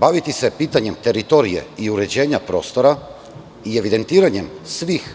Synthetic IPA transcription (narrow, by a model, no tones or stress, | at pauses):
baʋit̪ise̞piːt̪aɲe̞mt̪e̞ɾit̪o̞ɾije̞̰iuɾe̞d͡ʑe̞ːɲapɾo̞̰ːst̪o̞ɾa | ie̞ʋid̪e̞nt̪iːɾaɲe̞msʋix